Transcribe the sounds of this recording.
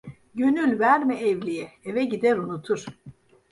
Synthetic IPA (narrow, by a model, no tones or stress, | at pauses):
ɟønylʲvæɾmiɛvlʲijɛevɛɟid̪æɾunut̪ʰuɾ̥